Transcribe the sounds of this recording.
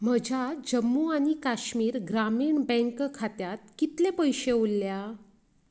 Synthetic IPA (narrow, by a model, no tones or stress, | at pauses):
m̤əd͡ʑʱad͡ʑəmːuañikaɕmiːɾɡɾamiːɳbɛ̃ŋkkʰat̪jat̪̚kit̪lepəjɕeulːja